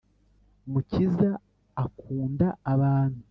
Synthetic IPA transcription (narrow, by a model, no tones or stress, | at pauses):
mucizaː | kuːndaːβaːn̥hu